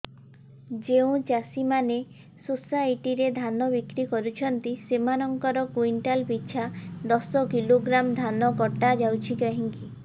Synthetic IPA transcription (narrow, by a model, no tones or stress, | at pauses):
d͡ʒeũt͡ʃasimane | susajʈiɾed̪ʱanɔbikɾikɔɾut͡ʃʰɔnt̪isemanɔŋkɔɾɔkwiɳʈalbit͡ʃʰad̪ɔsɔkiloɡɾamd̪ʱanɔkɔʈad͡ʒawt͡ʃʰikaɦiŋki